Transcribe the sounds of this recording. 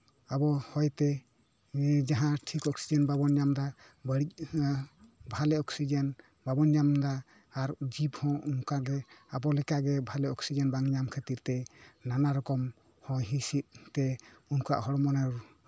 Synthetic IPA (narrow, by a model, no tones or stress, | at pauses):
abɔhɔjt̪ɛ | d͡ʒaɦãʈʰikɔksid͡ʒɛnbabɔnjamd̪a | bəɽic̚ | bʱalɛɔksid͡ʒɛn | babɔnjamd̪aː | ɾd͡ʒibhɔ̃unkaɡɛabɔlɛkaʔɡɛbʱalɛɔksid͡ʒenbaŋɲamkʰet̪iɾt̪ɛnanaɾɔkɔm | hɔ̃jɦisit̪̚t̪ɛunkua̰ʔhɔɽɔmɔnaɾu